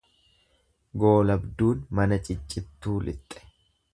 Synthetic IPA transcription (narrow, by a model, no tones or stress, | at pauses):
ɡo̞ːlɐbd̪uːnmɐnɐt͡ʃʼɪt͡ʃʼːɪt̪ːuːlʔɪ̰t̪ʼːɛ̥